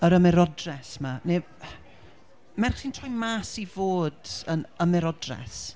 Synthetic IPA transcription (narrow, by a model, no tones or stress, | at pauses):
əɾəmɛɾɔdrɛsmane | mɛrχsiːntʰrɔjmaːsivoːdənəmɛɾɔdrɛ̰s